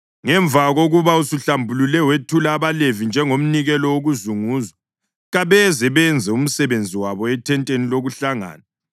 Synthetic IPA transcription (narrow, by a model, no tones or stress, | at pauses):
ŋɛɱvʱaɣoɣuβausuɬambʱululɛwetʰulaːβalevind͡ʒʱɛŋom̩niɣɛlɔwoɣuzuŋuːzwa | ɣaβɛzɛβɛnd͡zʱɛum̩sɛβend͡zʱiwaβɔɛtʰɛntʼeniloɣuɬaŋa̰ːna